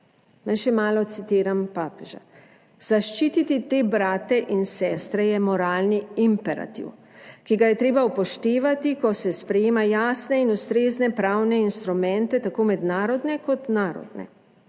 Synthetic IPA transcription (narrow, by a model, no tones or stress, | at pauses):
najʃɛmaːlɔt̪sit̪iːɾampaːpɛʒa̰ | z̥aʃt͡ʃiːt̪it̪it̪eːbɾaːt̪ɛʔinsɛːst̪ɾɛjɛmɔɾaːlniimpɛɾa̰t̪ḭw | kiɡajɛt̪ɾeːbaupɔʃt̪eːʋat̪ikɔsɛspɾɛjeːmajaːsnɛinust̪ɾeːznɛpɾaːwnɛinst̪ɾumɛnt̪ɛt̪akoːmɛd̪naːɾɔd̪nɛkɔt̪naːɾɔ̰d̪nɛ̰